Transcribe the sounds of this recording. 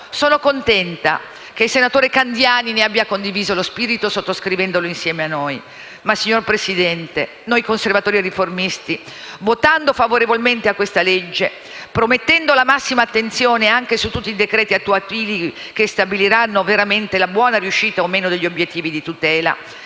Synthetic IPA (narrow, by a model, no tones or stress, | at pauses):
soːnokont̪ɛnt̪a̰ | k̟eilsenat̪oːɾekand̪jaːnineabːjakond̪iviːzolospiːɾit̪osot̪ːoskɾivɛnd̪oloinsjɛːmeanːoj | masːiɲːorpɾesid̪ɛnt̪e | nojkonservat̪oːɾierːiformist̪i | vot̪and̪ofavoɾevolment̪eakːwest̪aled͡ʒːe | pɾomet̪ːɛnd̪olamasːimaːt̪ːent̪sjoːneaŋk̟esut̪ːut̪ːid̪ekɾɛːt̪iat̪ːuat̪iːli | k̟est̪abiliɾanːoveɾament̪elabwɔːnarjuʃːiːt̪aomeːnod̪eʎːiobjet̪ːiːvid̪it̪ut̪ɛːla̰